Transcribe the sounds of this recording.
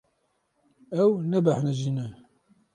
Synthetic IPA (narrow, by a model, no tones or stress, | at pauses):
æwnæbaħnæʒinæ